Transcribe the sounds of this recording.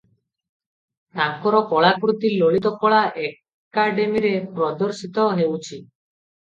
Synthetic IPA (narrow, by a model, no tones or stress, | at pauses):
t̪aŋkɔɾɔkɔɭakɾut̪iloɭit̪ɔkɔɭaʔe | kaɖemiɾepɾɔd̪ɔɾsit̪ɔɦewt͡ʃʰi